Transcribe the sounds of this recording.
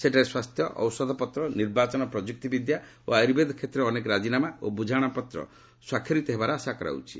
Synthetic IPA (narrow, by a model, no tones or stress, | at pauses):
seʈaɾeswast̪ʰjɔʔɔ̰wsɔd̪ʱɔpɔt̪ɾɔniɾbat͡ʃɔnɔpɾɔd͡ʒuk̚t̪ibid̪ʱja | o̰ajɾbed̪ʱɔkʰet̪ɾeɔnekɔɾad͡ʒinamaobud͡ʒʱaɽ̃apɔt̪ɾɔ̰ | swakʰjɔɾit̪ɔɦebaɾɔasakɔɾa̰wt͡ʃʰi̥